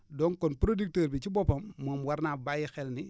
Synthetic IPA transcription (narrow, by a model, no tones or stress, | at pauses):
dɔŋkɔnpɾodik̚təːɾbit͡ʃibɔpɐmːoːmwaɾnaːbajixɛlni